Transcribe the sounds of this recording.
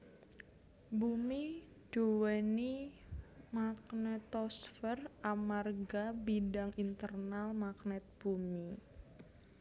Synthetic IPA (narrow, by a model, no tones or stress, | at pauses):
bumi | ɖ̥owɛni | maknɛt̪ɔsfəramarɡabidaŋʔint̪ərnalmaknɛt̪̚b̥umi